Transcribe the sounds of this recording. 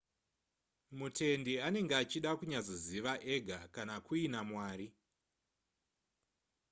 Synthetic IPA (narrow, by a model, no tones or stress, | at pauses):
mutʰe̞ndiane̞ŋɡeat͡ʃiɗakuɲazo̞ziʋaʔe̞ɡʱakanakuinamwaːɾi